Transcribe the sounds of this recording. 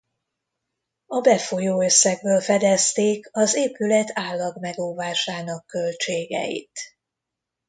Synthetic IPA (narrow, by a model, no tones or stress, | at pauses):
ɒbɛfo̞joːøsːɛɡ̚bøːlfɛd̪ɛst̪eːkɒzeːpylɛt̪ʰaːlːɒɡmɛɡoːvaːʃaːnɒkːølt͡ʃeːɡɛ̰jḭt̪